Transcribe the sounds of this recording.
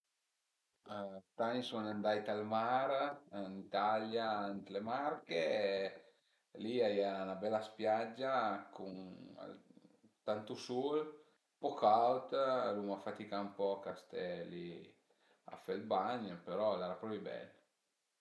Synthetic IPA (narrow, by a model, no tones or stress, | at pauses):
t̪anisɔnand̪ajt̪almaɾnit̪aljaant̪lemarke | liaiaanabɛlaspjad͡ʒːakʰuŋa̰lt̪ant̪usul | pɔkawt̪lumafat̪ikaumpɔkast̪ɛlḭ | a̰fɛlbaɲəpeɾɔlɛɾapɾɔvibɛ̰l